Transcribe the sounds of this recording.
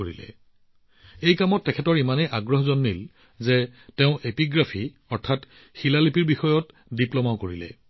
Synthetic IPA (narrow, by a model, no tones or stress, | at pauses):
oɹilɛ̰ | ejkamɔtːɛkʰɛtɔɹimanejʔaɡɹɔɦɔzɔnːil | zɛtɛʊ̃ʔepiɡɹapʰi | ɔɹtʰat | xilalipiɹbixɔjɔt | diplɔmaʊkoɹilɛ̰